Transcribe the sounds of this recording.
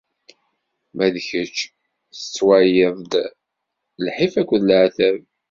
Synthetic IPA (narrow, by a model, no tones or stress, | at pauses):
mæðçət͡ʃː | θə̥t͡sːwajeðˤd̪ | lħifækʷːðlʕθæv